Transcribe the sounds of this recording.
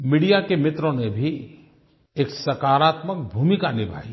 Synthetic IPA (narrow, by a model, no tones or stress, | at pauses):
miːɽijakemɪt̪ɾõnebʱi | eːksɐɾkaːɾaːt̪mək̚bʱuːmikanɪbʱa̰ːi